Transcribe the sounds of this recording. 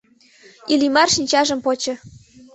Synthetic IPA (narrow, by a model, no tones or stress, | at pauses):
ilimɑrʃinʲt͡ɕɑʒə̆mpot͡ɕɤ̆